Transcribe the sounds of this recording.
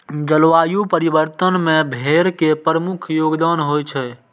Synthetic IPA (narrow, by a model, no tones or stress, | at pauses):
d͡ʒəlʋaːjupəɾibəɾt̪ənmẽbʱeɾkepɾəmukʰjoɡd̪anɦojt͡ʃʰɛ